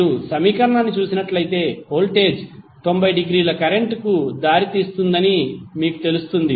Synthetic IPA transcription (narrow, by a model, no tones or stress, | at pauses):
usɐmiːkɐɾɐɳaːnːit͡ʃuːsinɐʈlɐjt̪e̞ːho̞ːlʈe̞ːd͡ʒ | t̪o̞mbɐjɖiɡɾiːlɐkɐɾe̞ɳʈkud̪aːɾit̪iːst̪und̪ɐnimiːku̥t̪e̞lust̪und̪i